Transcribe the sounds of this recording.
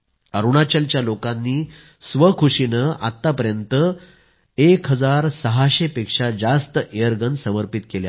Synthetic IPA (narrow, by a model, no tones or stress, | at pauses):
əɾuɽ̃at͡ɕəlt͡ɕjalokãnːiː | sʋəkʰuɕinəa̰t̪ːapəɾjənt̪ə | ekɦəd͡zaɾsəɦaɕepekʂad͡zast̪əʔejəɾɡənsəməɾpit̪kelja̰